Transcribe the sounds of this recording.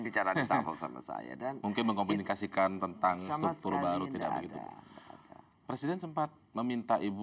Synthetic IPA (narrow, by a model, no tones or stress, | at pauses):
bit͡ʃaɾait̪afɔ̰ksa̰ma̰sa̰ja̰danmuŋkɪnməŋkompunikasikant̪ənt̪aŋst̪ɾuk̚t̪ʊrbaɾut̪ida̰bəɡit̪ṵ | pɾesidɛnsəmpat̪̚məmint̪aʔibu